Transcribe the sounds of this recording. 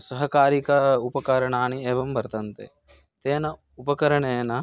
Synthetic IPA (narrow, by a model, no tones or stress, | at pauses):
sɐɦɐkaːɾikɐupɐkɐɾɐɳaːnieːʋɐmbɐɾt̪ɐnt̪ḛ | t̪eːnɐ | upɐkɐɾɐɳeːnɐ